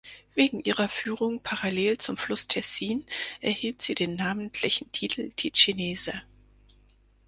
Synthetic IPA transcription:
veːɡŋ̩ʔiːʁɐfyːʁʊŋpʰaʁaleːlt͡sʊmflʊstʰɛsiːnʔɛɐhiːltz̥iːdeːnːaːməntʰlɪçn̩tʰiːtʰl̩d̥iɕineːzə

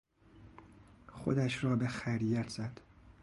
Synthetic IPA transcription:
xo̰d̪æʃɾɒːbexæɾijæt̪ʰz̥æd̪̥

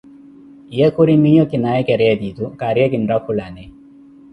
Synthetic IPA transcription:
jekuɾimijokinajekeɾed̪it̪ukaɾjakinɾakʰulane

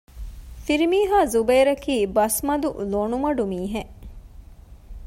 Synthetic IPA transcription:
fiɾimiːɦaːzubeːɾɐkiːbɐsmɐd̪ulonumɐɖumiːɦe

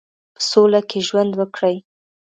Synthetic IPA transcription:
pə̥solakʰeʒwand̪wəkɽəj

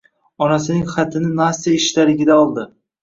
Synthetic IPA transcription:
ɒnasɪnɪŋχat̪ʰɪnɪnasiaɪʃt̪aɾɪɡʲɪd̪aɒlˠd̪ɪ

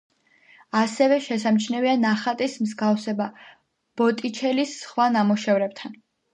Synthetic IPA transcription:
asɛvɛʃɛsamt͡ʃʰnɛvianaχat̪ʼismzɡafsɛba | b̥ɔt̪ʼit͡ʃʰɛlisχwanamɔʃɛvɾɛb̚t̪ʰan

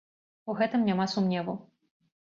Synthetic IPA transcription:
uɣɛt̪ɨmnʲamasumnʲɛvu

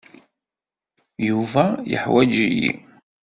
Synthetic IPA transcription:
juvæjə̰ħwæd͡ʒijḭ

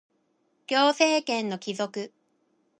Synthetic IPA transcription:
ɡʲo̞ːse̞ːkẽ̞nːo̞kʲizo̞kɯ̟

